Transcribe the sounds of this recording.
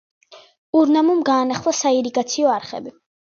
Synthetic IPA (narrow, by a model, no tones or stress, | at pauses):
uɾnamumɡaːnaχlˠasaiɾiɡat̪sʰiɔaɾχɛ̰bi